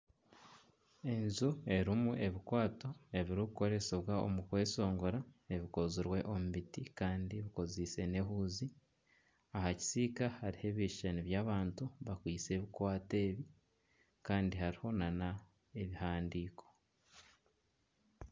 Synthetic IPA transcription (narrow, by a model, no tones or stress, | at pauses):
e̞nzue̞ɾimuʔe̞βikwaːto̞e̞βiɾukuko̞ɾe̞seβwao̰mukwe̞ːso̞ːŋɡo̞ɾae̞βiko̞ziɾwe̞ʔo̞muβitikaːndiβiko̞ziːse̞ne̞ɦuːzi | ahaci̥siːkahaɾihe̞βiʃeniβjaːβaːntuβakwiːt͡se̞ːβikwaːte̞ːβi | kaːndihaɾiho̞nana | e̞βihaːndiːko̞